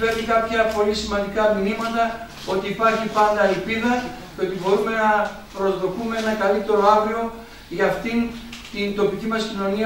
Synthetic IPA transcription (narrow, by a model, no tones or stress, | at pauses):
pe̞ɾnikɐpçɐpo̞lisimɐnd̪ikɐminimɐt̪ɐ | o̞t̪iːpɐɾçipɐnd̪ɐːlpiðɐ | poe̞t̪ibo̞ɾume̞nɐ | pɾozðo̞kume̞e̞nɐkɐlit̪e̞ɾo̞avɾio̞ | ʝɐːft̪int̪int̪o̞picimɐscino̞ni